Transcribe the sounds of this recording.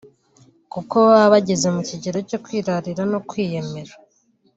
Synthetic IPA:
kuko̞βaβaɟe̞ze̞muciɟeɾo̞co̞kwiːɾaɾiɾanokwiːje̞me̞ɾa

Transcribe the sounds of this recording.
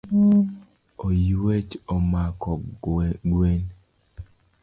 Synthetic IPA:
ojwet͡ʃomakɔɡwen

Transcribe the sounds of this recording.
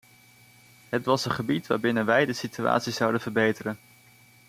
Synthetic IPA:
ɦətʋɑsənχəbitʋa̰ːɹbɪnənʋɛjdəsitya̰ːtsizɑwdənvəɹbejtərən

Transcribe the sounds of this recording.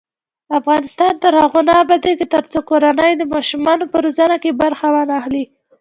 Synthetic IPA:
afɣɑnɪst̪ɑnt̪əɾhaɣunɑbad̪eket̪əɾt͡sokoɾanəjd̪əmɑʃumɑnopəɾozanakebaɾxawanaxli

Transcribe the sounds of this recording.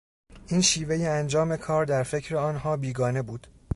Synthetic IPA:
ʔiːnʃiːve̞jeænd͡ʒɒːme̞kʰɒːɾd̪æɾfe̞cʰɾeɒːnɦɒːbiːɡɒːne̞buːd̪̥

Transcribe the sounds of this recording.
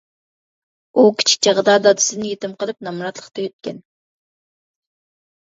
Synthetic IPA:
ukʲʰi̥t͡ʃʰi̥k̚ʲt͡ʃɑʁd̪ɑd̪ɑd̪ɨ̥sɨd̪nɪjet̪ɪmqəlˠɨp̚nɑmɾɑt̪lˠə̥qt̪ɑjøt̪̚kʲɛn

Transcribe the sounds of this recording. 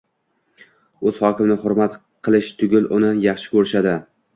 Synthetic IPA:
ɵz̥hɒkʲɪmnɪhʊɾmat̪ | qʰɨlˠɪʃt̪ʰʊɡʲɪlʔʊnɪjɑχʃɪ̥kʲʰɵɾɪʃad̪ɪ

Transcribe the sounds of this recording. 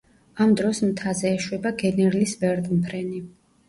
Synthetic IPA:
amd̪ɾɔsmt̪ʰazɛːʃwɛbaɡɛnɛɾlisbɛɾt̪ʼmpʰɾɛni

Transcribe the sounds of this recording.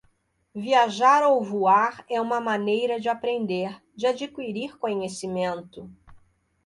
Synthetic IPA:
viaʒaɾowvuaɾɛũmɐmãnejɾɐd͡ʒɪapɾẽnd̪eɾ | d͡ʒɪad͡ʒikwiɾiɾkõɲesimẽnt̪ʊ

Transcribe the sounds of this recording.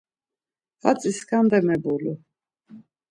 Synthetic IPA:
fat͡sʼiskʰand̪ɛmɛbulu

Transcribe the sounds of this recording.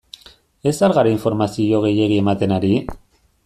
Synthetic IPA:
e̞saɾɣaɾeiɱfo̞ɾmasio̞ɣe̞je̞ɣie̞mat̪e̞naɾi

